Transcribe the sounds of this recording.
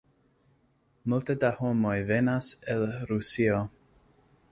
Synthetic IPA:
multədahomojvenasɛlɾusio

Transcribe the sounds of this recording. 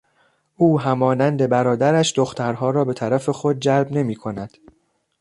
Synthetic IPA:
ʔuːɦæmɒːnænd̪e̞bæɾɒːd̪æɾæʃd̪o̞xt̪ʰæɾɦɒːɾɒːbe̞t̪ʰæɾæfe̞xo̞d̪̚d͡ʒælbne̞miːkʰo̞næd̪̥

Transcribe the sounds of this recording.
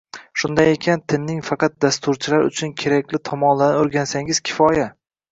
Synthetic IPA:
ʃʊnd̪ajekʲʰant̪ʰɪnːɪŋfɑqʰɑt̪̚d̪ast̪ʊɾt͡ʃʰɪlaɾʊ̰t͡ʃʰʊnkʲʰe̞ɾakʲlɪt̪ʰɒmɒnlanɪoɾɡʲansaŋɪz̥kʲʰɪ̥fɒja

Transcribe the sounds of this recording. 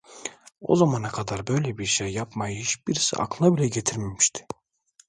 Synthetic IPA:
o̞̰zamanakʰad̪aɾbø̞jlʲɛbiɾʃejːapmajɯhit͡ʃbiɾisḭa̰klˠabilʲɛɟet̪ʰiɾmemiʃt̪ʰi̥

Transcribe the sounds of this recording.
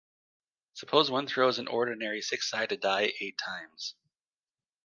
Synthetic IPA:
səpʰoʊzwʌ̃nθɹ̥oʊzɨ̃nʔɔɹdⁿn̩ɛɹisɪksaɪd̚tɨdaɪʔeɪtʰãɪ̃mz̥

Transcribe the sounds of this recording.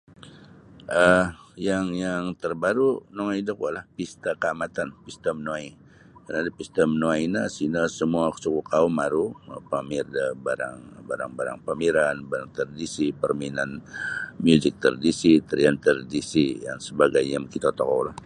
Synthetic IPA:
ʔəjaŋjaŋt̪ərbaɾunoŋaidəkualahpist̪akəamat̪anpist̪əmnoai | kənadapist̪əmnoainasinəsəmuaksukukaumːaɾupamirdabaɾa̰ŋbaɾa̰ŋbaɾa̰ŋpamiɾanbaɾaŋt̪ərdisipərminanmjuzɪk̚t̪ə̰rdisit̪əɾiant̪ərdisija̰ŋsəbaɡajɲamkit̪at̪ɔkɔwlah

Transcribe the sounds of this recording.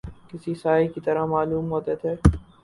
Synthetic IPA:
kɪsisaːikit̪ɐɾamaːluːmɦoːt̪et̪ʰeː

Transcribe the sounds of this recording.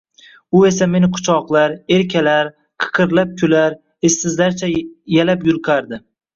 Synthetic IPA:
ʊe̞s̬ame̞nɪqʰʊ̥t͡ʃʰɒqlˠaɾe̞ɾkʲʰalaɾ | qʰɨ̥qʰɨɾlap̚kʲʰʊlaɾ | ɪst̪ɪzlaɾt͡ʃʰajalapjʊlˠqʰɑɾd̪ɪ

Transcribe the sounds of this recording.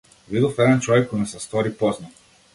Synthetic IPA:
vid̪ɔfɛd̪ɛnt͡ʃɔvɛkːɔjnɛsɛst̪ɔɾipɔzna

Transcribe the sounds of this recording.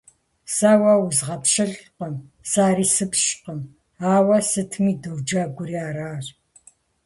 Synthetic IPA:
saːwɐwʊzʁɐpʃɐɮqəmsaːɾiːsɨpʰɕqəm | aːwɐsɨtʰmiːdowd͡ʒaːɡʷʊɾiaːɾaːr

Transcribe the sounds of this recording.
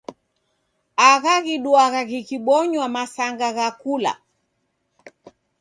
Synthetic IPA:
aɣaɣiɗuaɣaɣikiɓɔɲwamasaŋɡaɣakula̰

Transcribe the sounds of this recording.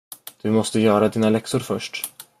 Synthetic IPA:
d̪̥ɵmɔst̪əjœːɾad̪iːnalɛksʊɾfœʂʈ

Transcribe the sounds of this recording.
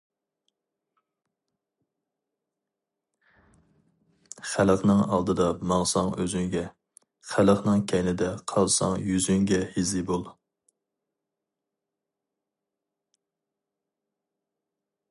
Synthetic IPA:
χæləqnɨŋɑ̰lˠd̪ɨd̪ɑmɑŋsɑŋøzyŋɡʲɛ | χæləqnɨŋkʲʰɛjnɪd̪ɛqʰɑlˠsɑ̰ŋjyzyŋɡʲɛhizɪbolˠ

